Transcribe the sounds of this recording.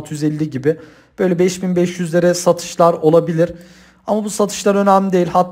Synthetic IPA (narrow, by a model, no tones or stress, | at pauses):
t̪ʰɯjyzelʲːiɟibɪ | b̥ø̞jlʲɛbɛʃbinbɛʃjyzlʲe̞ɾɛsat̪ʰɯ̥ʃlˠaɾo̞lˠabilʲiɾ̥ | amabusat̪ʰɯ̥ʃlˠaɾø̞næmlʲid̪e̞jilʲhat̪ʰː